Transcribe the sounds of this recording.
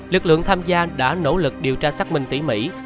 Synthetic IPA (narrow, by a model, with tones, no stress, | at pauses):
lɨ˨˩k̚lɨ̰˧˨əŋt̪ʰaː˧mzaː˧ɗa̰ː˧˥no̰˧˥lɨ˨˩k̚ɗi˨˩əwt͡ɕaː˧saː˦˥k̚mï˨˧ŋt̪ḭ˧˥mḭ˧˥